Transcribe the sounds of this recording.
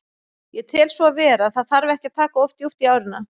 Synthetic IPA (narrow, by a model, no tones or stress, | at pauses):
jɛt̪ʰɪlsvɔavɛːɾaθaðθaɾvɛhcɪt̪ʰaːkaɔft̪juft̪iaːwɾɪnːa